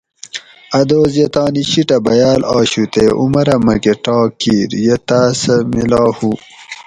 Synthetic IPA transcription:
ɐd̪oːzjet̪ɑːniɕiʈɐbɐjaːlɑːɕut̪eːʔumɐɾɐmɐɡeʈɑːkiːɾjet̪aːsɐmilɑːhu

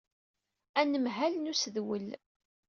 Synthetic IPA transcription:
ænəmɦælnusəðwəl

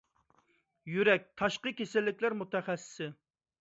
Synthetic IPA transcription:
jyɾɛk̚ʲt̪ʰɑʃqəkʲesɪlːɪkʲlæɾmut̪ʰɛχæsːɪ̥sɪ

